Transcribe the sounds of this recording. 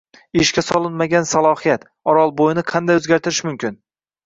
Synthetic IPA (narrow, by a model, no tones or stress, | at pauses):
ɪʃkʲasɒlˠɪnmaɡʲansalˠɒhijat̪ | ɒɾɒlˠbojɪnɪqʰɑnd̪ajɵzɡʲaɾt̪ʰɪɾɪʃmʊmkʲɪn